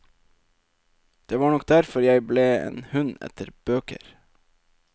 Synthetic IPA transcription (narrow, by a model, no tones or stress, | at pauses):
d̪̥eːʋɑːɳɔk̚d̪æɾfɔɾjæɪbleːḛːnhʉnɛ̰t̪ʰəɾb̥øːkə̰ɾ